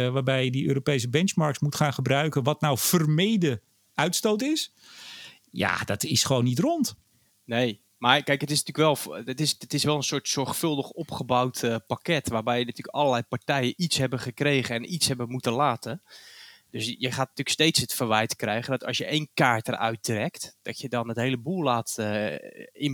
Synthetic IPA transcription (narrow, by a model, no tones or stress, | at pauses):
ʋaːɹbɛjədiø̰ːɾopejs̬əbɛnt͡ʃmɑɹksmutχaːnχəbrœɥkənʋɑtnawfərmejdə | ʔœɥtstowtɪs | ja̰dɑtɪsχəʋownːitrɔnt | nej | maːɹkɛjkɦətɪs̬nətyːəkʋɛlˠfətɪstɪsʋɛlˠənsʊːtsɔɹχfɵlˠdəχɔpχəbawtpakɛtʋaːɹbɛjənatyːəkɑlˠəlɛjpaɹtɛjəʔitsɦɛbəχəkrejχənɛnʔitsɦɛbəmutəlaːtə | d̥øsjəχaːt̚natyːrəkstejtsətfəɹʋɛjtkrɛjχəndɔtɑ̰sjəʔejnkaːɹtərʔœ̰ɥt̚drɛktd̥ɑtjədɔnətɦejləbulˠlaːtə | ɪn